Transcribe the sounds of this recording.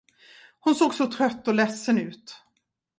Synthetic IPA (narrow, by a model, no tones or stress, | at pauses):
hʊnsoːɡsɔt̪ʰɾœt̪ːɔlɛsːənʉ̟ːt̪